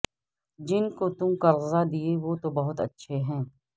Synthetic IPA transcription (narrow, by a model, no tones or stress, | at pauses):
d͡ʒɪnkot̪ũkɐɾzad̪ieʋot̪obɐɦʊt̪ɐ̰tːʃʰeɦɛ̃ː